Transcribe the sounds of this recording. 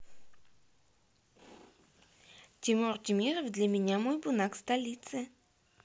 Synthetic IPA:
tʲɪmort̪ʲimʲiɾəvd̪lʲamʲɪnʲamojbʊnakst̪ɐlʲit̪sɨ

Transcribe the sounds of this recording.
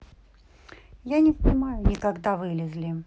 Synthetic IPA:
janʲɪfpnʲɪmajʊnʲɪkaɡd̪avɨlʲɪzlʲɪ

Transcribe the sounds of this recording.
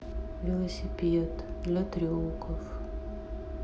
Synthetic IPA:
vʲɪlˠəsʲɪpʲet̪d̪lʲɐt̪ɾʲolˠkəf

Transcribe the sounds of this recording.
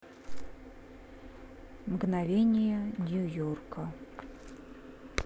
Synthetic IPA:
mɡnavʲenʲɪjənʲujorkʰə

